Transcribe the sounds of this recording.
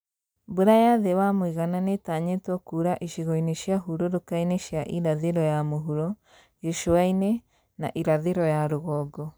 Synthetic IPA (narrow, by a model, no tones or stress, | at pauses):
boɾajaðewamoiɣananetaɲetwɔkuɾaʔiʃiɣɔineʃjaɦuɾoɾokaineʃjaʔiɾaðeɾɔjamoɦuɾɔ | ɣeʃoaine | na̰ʔiɾaðeɾɔjaɾoɣɔɡɔ